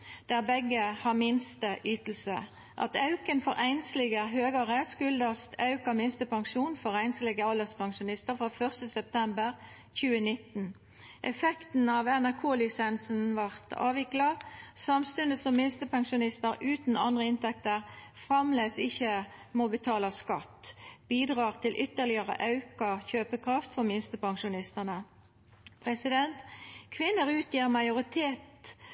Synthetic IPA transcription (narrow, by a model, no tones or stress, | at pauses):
d̪̥æʁbɛɡəhɑʁmɪnst̪əʔyːt̪l̩sə̰ | ʔɑ̰t̪ɑʉkənfɔɾæɪnslɪɡəɦøːɡəʁəskʉld̪əst̪ʰɑʉkəmɪnst̪əpʰɑŋʂuːnfɔʁæɪnslɪɡəɑləʁspʰɑŋʃʊnɪst̪əʁfʁɑːfœʁst̪əsɛp̚t̪ʰɛmbəʁ | çʉːənɪt̪n̩ | ʔɛfɛkt̪n̩ɑʋɛnæʁkʰoːlɪsɛnsn̩ʋɑʁt̪ʰɑ̰ːʋɪklɑsɑmst̪ʉnd̪əsɔmːɪnst̪əpʰɑŋʃʊnɪst̪əɾʉːt̪n̩ɑnd̪ʁəɪnt̪ʰɛk̚t̪əʁ | fʁɑmleːsɪçə | mobət̪ʰɑːlɑskɑ̰t̪ːb̥iːd̪ʁɑːʁt̪ʰɪlʔʏt̪ːəʁlɪəʁə̰ʔɑʉkɑçøːpəkʰʁɑft̪fɔʁmɪnst̪əpɑŋʃʊnɪst̪ənə | pʰʁɛsɪd̪ɛnt̪kʰʋɪnːəʁʉːt̪ʰjiːʁmɑɪʊʁɪt̪ʰeːt̪